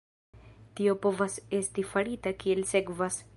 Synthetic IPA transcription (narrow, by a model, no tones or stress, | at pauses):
tio̞po̞vase̞stifaɾitakie̞lse̞kvas